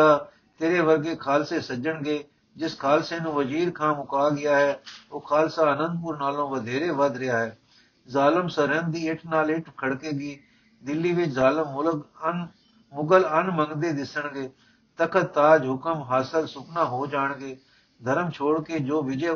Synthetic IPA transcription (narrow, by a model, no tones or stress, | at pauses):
aː | t̪eːɾeːʋəɾɡeːkʰaːlseːsəd͡ʒəɳɡeː | d͡ʒɪskʰaːlseːnũːʋəziːɾkʰaːmʊkaːɡɪjaːɦɛːoːkʰaːlsaːənə̃nd̪̚pʊɾnaːlõːʋəd̪ʱeːɾeːʋəd̪ɾɪaːɦɛː | zaːləmsəɾənd̪iːɪʈʰnaːlɪʈʰkʰəɽkeːɡiː | d̪ɪlːiːʋɪt͡ʃzaːləm | mʊɡələnməŋɡd̪eːd̪ɪsəɳɡeː | t̪əkʰət̪ːaːd͡ʒɦʊkəmɦaːsəlsʊknãːɦoːd͡ʒaːɳɡeː | d̪ʱəɾəmt͡ʃʰoːɽkeːd͡ʒoːʋɪd͡ʒeː